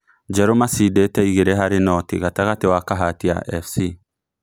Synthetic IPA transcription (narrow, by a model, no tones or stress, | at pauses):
d͡ʒɛɾomasidetɛiɣeɾeɦaɾenɔtiɣataɣatewakaɦatia̰ʔɛ̰fsi